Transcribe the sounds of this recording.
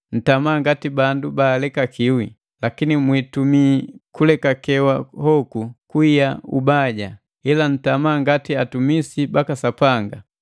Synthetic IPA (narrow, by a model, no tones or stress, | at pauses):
n̩tamaːŋɡatibandubaːlɛkakʰiwi | lakinimwitumikulɛkakɛwahɔkukuijaṵbaɟa | ilan̩tamaːŋɡatiatumisibakasapaŋɡa